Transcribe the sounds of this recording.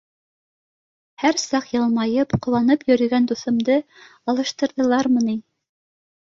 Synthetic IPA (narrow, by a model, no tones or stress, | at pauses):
hæɾsɑqjɤlˠmɑjɤpqŏwɑnɤpjɵ̆ɾɘ̆ɡænd̪uθɤ̆md̪ɤ | ɑlˠɤ̆ʃt̪ɤ̆ɾðɤ̆lˠɑɾmɤnin